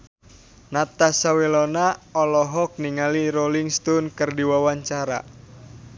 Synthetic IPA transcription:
nat̪asawelɔnaɔlɔɦɔk̚niŋaliɾoliŋst̪ɔnkɨrdiwawaɲt͡ʃaɾa̰

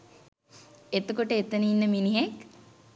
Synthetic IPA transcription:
et̪əkoʈəet̪ənəinːəminiɦek

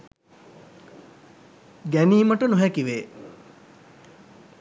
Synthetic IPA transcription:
ɡæniːməʈənuɦɛkiʋeː

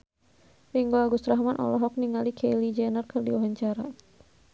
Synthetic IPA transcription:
riŋɡoaɡust̪ɾaɦmanʔɔ̰lɔɦɔk̚niŋalikʰejlid͡ʒɛnərkɨrdiwaɦaɲt͡ʃaɾa

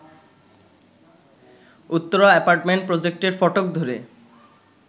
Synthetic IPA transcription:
ut̪ːoɾaepaɾʈmeɳʈ̚pɾod͡ʑek̚ʈeɾfɔʈok̚d̪ʱoɾe

